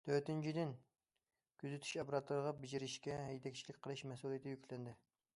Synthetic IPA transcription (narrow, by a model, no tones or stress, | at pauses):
t̪ʰøɾt̪ynt͡ʃʰid̪ɪn | kʲyzɪt̪ʰy̥ʃɑpɾɑt̪lʊɾʁɑbɪd͡ʒiɾɪʃkʲɛɦɛjt̪ʰɛkʲt͡ʃʰilɪkʲqʰəlˠɨʃmɛsulˠijet̪ʰɪjykʲlɪnd̪ɪ